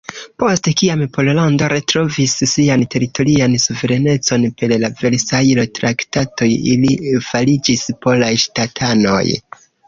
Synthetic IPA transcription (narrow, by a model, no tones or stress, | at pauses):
po̞stekiampʰo̞lolando̞ɾe̞tɾo̞visːiante̞ɾito̞ɾiansuve̞ɾe̞ne̞t͡so̞npellave̞ɾsajlotɾaktato̞jḭlifalid͡ʒispo̞lajʃtatʰano̞̰j